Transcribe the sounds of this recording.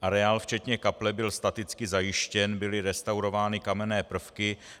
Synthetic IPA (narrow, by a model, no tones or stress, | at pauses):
ʔaɾɛaːlft͡ʃɛt̪ɲɛkaplɛbɪlst̪at̪ɪt͡skɪzajɪʃcɛnbɪlɪɾɛst̪awɾo̞vaːnɪkamɛnɛːpr̩fkɪ